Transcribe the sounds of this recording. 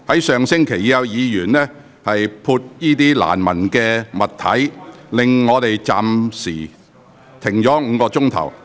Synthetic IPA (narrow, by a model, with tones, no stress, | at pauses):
hɐ˨˥jsœː˨ŋsɪ˥ŋkʰe˨˩jiː˨˧jɐ˧wjiː˨˧jyː˨˩nlɛː˥ | hɐ˨jpʰuː˧t̚jiː˥t̪iː˥la̰ː˨˩nmɐ˨˩nkɛː˧mɐ˨t̪ʰːɐ˨˥jlɪ˨ŋːɔː˨˧t̪e˨jt͡saː˨msiː˨˩ | t̪ʰɪ˨˩ŋt͡sɔː˨˥ŋ̩ː˨˧kɔː˧t͡sʊ˥ŋt̪ʰɐ̰˨˩w